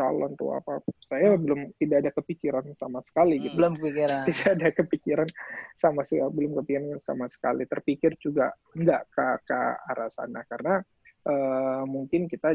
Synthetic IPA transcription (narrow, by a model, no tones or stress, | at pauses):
t͡ʃa̰lɔ̰nt̪ṵa̰pasajabəlʊmt̪idaːdakəpikiɾansamasə̥kaliɡit̪bəlʊmkəpikiɾaidaːdakəpikiɾansamasəabəlʊmkəpikiɾanansa̰masə̥ka̰lit̪ərpikɪrd͡ʒuɡa | əndaʔkəkə̰aɾasa̰na̰karəna | ʔəːmuŋkɪnkit̪a